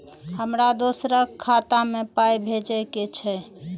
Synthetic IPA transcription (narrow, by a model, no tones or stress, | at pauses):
həmɾad̪osɾəkʰːat̪amẽpajbʱed͡ʒɛket͡ʃʰɛ